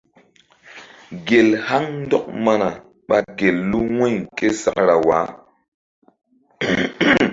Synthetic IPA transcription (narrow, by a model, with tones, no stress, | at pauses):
ɡe˨lha˦ŋn˦dɔ˦k̚ma˦na˨ | ɓa˨ɡe˨lːu˦wɛ˦˨ke˦sa̰˨kɾa˨wa̰ː˨˦